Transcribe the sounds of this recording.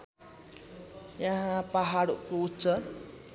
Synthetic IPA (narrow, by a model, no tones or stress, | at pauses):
jaɦãpaɦaɽuʔkuut͡ʃə